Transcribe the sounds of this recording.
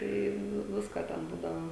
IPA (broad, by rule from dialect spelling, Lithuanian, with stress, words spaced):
ˈtɐɪ ˈnʊ ˈʋʲɪskoː tʲɛn ˈbuːdɐʋoː